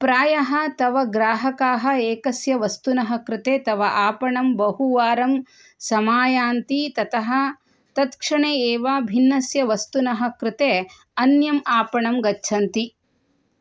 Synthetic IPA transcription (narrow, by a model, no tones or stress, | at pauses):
pɾaːjɐɦɐ̆t̪ɐʋɐɡɾaːɦɐkaːɦɐ̆eːkɐsjɐʋɐst̪unɐɦɐ̆kɾɪt̪eːt̪ɐʋɐʔaːpɐɳɐmbɐhuʋaːɾɐm | sɐmaːjaːnt̪it̪ɐt̪ɐɦɐ̆ | t̪ɐt̪kʂɐɳeːeːʋaːbʱinːɐsjɐʋɐst̪unɐɦɐ̆kɾɪt̪eː | ɐnjɐmaːpɐɳɐmɡɐtːt͡ʃʰɐnt̪i